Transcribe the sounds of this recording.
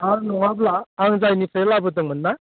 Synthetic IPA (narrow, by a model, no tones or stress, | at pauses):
aŋnɔŋablaːŋzajnipʰɯjlabɯdɯŋmɯnːa